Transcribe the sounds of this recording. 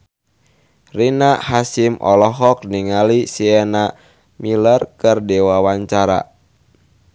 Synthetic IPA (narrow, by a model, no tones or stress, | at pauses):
rinaʔhasimʔɔ̰lɔɦɔk̚niŋalisiɛna | milərkərdɛwawaɲt͡ʃaɾa̰